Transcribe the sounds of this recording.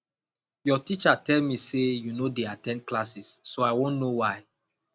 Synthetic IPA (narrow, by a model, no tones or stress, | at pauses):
jɔtit͡ʃatɛlmisejunodeatɛ̃nklasisːoaɪwõnːowaɪ